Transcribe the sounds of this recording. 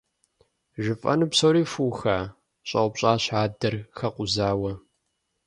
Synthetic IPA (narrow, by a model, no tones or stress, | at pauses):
ʒɪfʼɐ̰nɨpsowɾiːfuːxaː | ɕʼɐ̰ʊpɕʼaːɕħaːdɐrxɐqʷʊzaːwɐ